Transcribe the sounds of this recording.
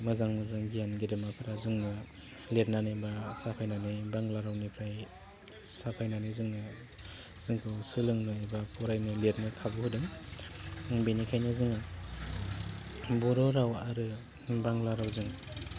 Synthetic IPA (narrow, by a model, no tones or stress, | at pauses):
mɯzaŋmɯzɯŋɡijanɡedɯmapʰɯɾazɯŋnɯ | let̚nanɯbasapʰajnanɯjbaŋlaɾawnipʰɾaj | sapʰajnanɯjzɯŋnɯ | z̥ɯŋkʰɯwsɯlɯŋnɯebapʰɔɾajnɯlet̚nɯkʰabɯhudɯŋ | benikʰajnɯzɯŋa | bɔɾɔɾawaɾɯ | baŋlaɾawzɯŋ